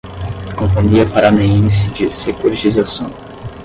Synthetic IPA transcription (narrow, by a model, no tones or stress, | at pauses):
kõfõnd̪iɐpaɾaneẽjsɪd͡ʒɪsekuɾit͡ʃizasɐ̃w̃